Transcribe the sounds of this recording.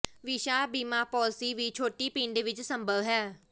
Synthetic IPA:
ʋiːʃaːbiːmaːpɔːlsiːʋiːt͡ʃʰoːʈiːpiːnd̪eːʋɪt͡ʃsəmbəʋɦɛː

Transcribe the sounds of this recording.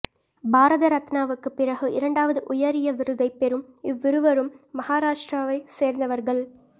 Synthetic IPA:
bʱaːɾɐðɐɾɐt̪naːʋɯkːɯpːɪɾɐɣɯɪɾɐɳɖaːʋɐðɯʔʊjɐɾɪjɐʋɪɾɯðɐɪpɛɾɯmɪʋːɪɾɯʋɐɾɯmːɐhaːɾaːʂʈraːʋɐɪseːɾnd̪ɐʋɐɾɣɐɭ

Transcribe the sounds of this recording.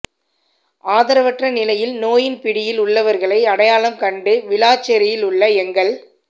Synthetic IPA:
ʔaːðɐɾɐʋɐʈrɐnɪlɐjɪlnoːjɪnpɪɽɪjɪlʊɭːɐʋɐɾɣɐɭɐɪɐɽɐjaːɭɐmkɐɳɖɯʋɪlaːt͡ʃːɛɾɪjɪlʊɭːɐɛŋɡɐɭ

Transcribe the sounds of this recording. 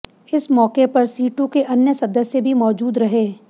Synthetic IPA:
ɪsmɔːkepɐɾsiːʈõkeʔɐnjəsɐd̪əsjəbʱimɔːd͡ʒuːd̪ɾɐɦeː

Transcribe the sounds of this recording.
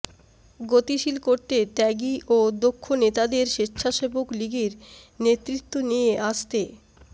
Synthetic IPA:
ɡot̪iʃilkoɾt̪et̪ɛɡiʔod̪okʰːonet̪ad̪eɾʃitːʃʰaʃebokliɡeɾnet̪ːɾit̪ːonijeʔaʃt̪e

